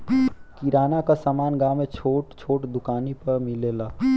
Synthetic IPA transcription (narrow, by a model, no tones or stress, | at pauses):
kiɾaːnakasaːmaːnɡaːmẽt͡ʃʰoːʈt͡ʃʰoːʈd̪ʊkaːnipɐɾmɪleːlaː